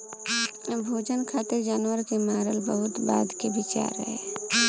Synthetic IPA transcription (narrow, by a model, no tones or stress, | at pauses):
bʱoːd͡ʒənkʰaːt̪ɪɾd͡ʒaːnwəɾkemaːɾəlbəɦʊt̪ba̰ːd̪kebɪt͡ʃa̰ːɾɦɛ